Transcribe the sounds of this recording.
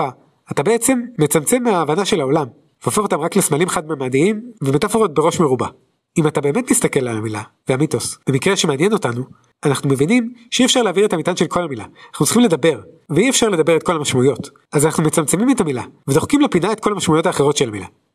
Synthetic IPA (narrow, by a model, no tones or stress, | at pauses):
a | atabe̞et͡se̞mːe̞t͡samt͡se̞mːeaːvanaʃe̞lao̞lam | veofeχot̪amʁaklesmalimχadmeamadiimvemet̪afoʁot̚be̞ʁo̞ʃmeʁuba | imatabe̞ːme̞tmist̪ake̞lalamila̰veamito̞sb̥emikʁeʃemeːnjeno̞tanu | anaχnumevinimʃeiefʃaʁleːviʁetamitanʃe̞lkʰo̞lhamila̰anaχnut͡si̥χimle̞dabe̞ʁ | veiefʃaʁle̞dabe̞ʁet̪̚kʰo̞lamaʃmaujo̞t | azanaχnumet͡samt͡se̞mimetamilavedo̞χkimlepinae̞tko̞lhamaʃmaujotaːχeʁo̞tʃelamila̰